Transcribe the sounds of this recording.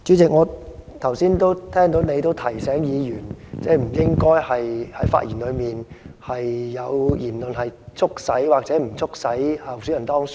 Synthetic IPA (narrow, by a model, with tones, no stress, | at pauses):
t͡ʃyː˨˥t͡sɪ˨k̚ŋɔː˨˧t̪ʰɐ˨˩wsiː˥nt̪o˥wt̪ʰɛː˥ŋt̪o˨˥wne˨˧jt̪o˥wt̪ʰɐ˨˩jsɛː˨˥ŋjiː˨˧jyː˨˩nt͡sɛː˥˩m̩˨˩jɪ˥ŋkɔː˥jhɐ˨jhɐ˨˥jfa̰ː˧t̚jiː˨˩nlɵ˨˧ɥmiː˨nhɐ˨jːɐ˨˧wjiː˨˩nlɵ˨nɦɐ˨jt͡sʰʊ˥k̚sɐ˨˥jwaː˨k̚t͡sɛː˨˥m̩˨˩t͡sʰʊ˥k̚sɐ˨˥jhaː˧˩w̚syː˨˧˥jɐ˨nt̪ɔː˥ŋs